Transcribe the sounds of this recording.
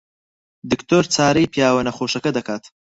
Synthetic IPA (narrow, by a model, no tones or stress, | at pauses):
d̪ɪkt̪oɾt͡saːɾijpjaːwɐnɐχoːʃɐkɐd̪ɐkaːt̪